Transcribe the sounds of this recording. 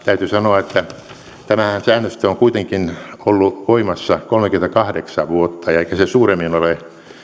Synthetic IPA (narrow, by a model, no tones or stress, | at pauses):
t̪æyt̪ysɑnoɑet̪ːæ | t̪æmæhænsæːnːøst̪æoŋkuit̪eŋkinolːuʋoimɑsːɑkolmekyment̪ækɑhdeksɑʋʋuot̪ːɑjɑeikæsesuːremːinole